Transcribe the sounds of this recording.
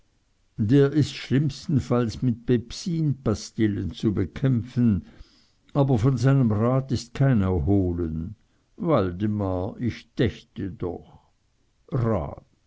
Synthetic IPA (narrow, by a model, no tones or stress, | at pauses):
deːɐʔɪstʃlɪmstn̩falsmɪt̚b̥ɛpsiːnpastɪlənt͡subəkʰɛmfn̩ | ʔaːbɐfɔnzaɪnəmʁaːtɪst̚kʰaɪnɐhoːlən | valdəmaɪçd̥ɛçtədɔ̰x | ʁa̰ːt̚